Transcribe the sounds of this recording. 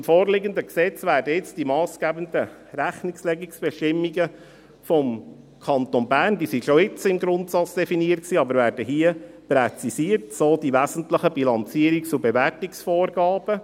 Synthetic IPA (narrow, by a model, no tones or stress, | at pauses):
mfoːrlɪɡəndəksɛt͡sʋæːɾdəɪt͡sd̥imɑːsɡ̥æːbəndə | ɾæχnɪkslɛɡiksb̥ɛʃtɪmːiɡə | fɔm | kʰɑnt̪onbæːrndiːsiʃoɪt͡sɪmɡɾʊntsɑt͡sd̥ɛfiniət̚ksiːɑbəɾvæːɾd̥əɦiəpɾɛt͡sisiəɾtsoːdiʋæːzn̩tləχəb̥ilɑnt͡siəɾikt͡sʊbeʋætiksfoːrɡɑːb̥ə